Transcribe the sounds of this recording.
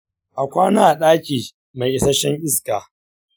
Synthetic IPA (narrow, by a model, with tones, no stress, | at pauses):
ʔa˨kʷaː˦naː˨ʔa˨ɗaː˦kʲʼiː˨ | ma˨jʔɪ˨˦sɐ˦ʃɛ˦ŋʔɪ˦skaː˨